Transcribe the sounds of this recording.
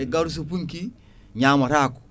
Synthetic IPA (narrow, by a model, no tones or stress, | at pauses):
eɡaɾus̬upuŋki | ɲamaɾaku̥